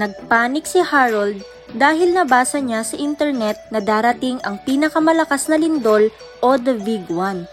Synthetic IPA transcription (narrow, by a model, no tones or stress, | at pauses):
nɐɡ̚paːnɪk̚sɪhaɾɐld̪̚ː | aːɦɪlnɐbaːsɐɲasɐʔint̪ɛɹnɛt̪̚nɐd̪aːɾɐt̪ɪŋʔɐŋpiːnɐkɐmɐlɐkasnɐlɪnd̪o̞l | ʔod̪ɐviɡwan